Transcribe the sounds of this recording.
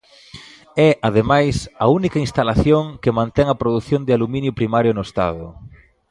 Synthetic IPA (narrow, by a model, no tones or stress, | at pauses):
ɛʔaðemajsɐunikɐinst̪alaθjoŋkɪmãnt̪ɛŋɐpɾoðuθjond̪ɪalumĩnjʊpɾimaɾjʊnʊest̪a̰ðʊ